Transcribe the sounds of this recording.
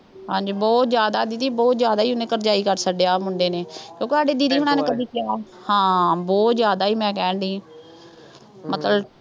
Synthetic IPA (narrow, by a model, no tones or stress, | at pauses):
ɦãːd͡ʒiːbɔːt̪zjaːd̪aːd̪id̪iːbɔːt̪zjaːd̪aːiːʊnẽːkəɾd͡ʒaːiːkəɾsəɖeaːmʊɳɖeːneːkjõːkeːsaːɖeːd̪id̪iːɦʊɳaːneːkəd̪iːkɪaː | hãːbɔːt̪zjaːd̪aːiːmɛ̃ːkɛːɳɖiː | mət̪ləb